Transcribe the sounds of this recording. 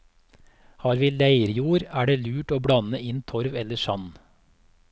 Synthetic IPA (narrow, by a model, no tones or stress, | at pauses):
hɑːɾʋiːlæɪɾjuːɾæːɖeːlʉːʈoːbɽɑnəɪnt̪ʰɔɾʋɛləʃɑ̰n